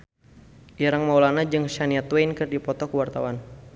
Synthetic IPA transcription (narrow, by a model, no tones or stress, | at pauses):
ʔiɾaŋmawlanad͡ʒɨŋʃaniat̪wejnkɨrdipɔt̪ɔkəwart̪awan